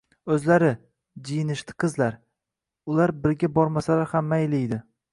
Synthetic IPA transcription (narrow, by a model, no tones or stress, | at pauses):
ɵzlaɾɪ | d͡ʒijɪnɪʃt̪ʰɪ̥qʰɨzlaɾ | ʊlaɾbɪɾɡʲabɒɾmasalaɾhamːajlɪjd̪ɪ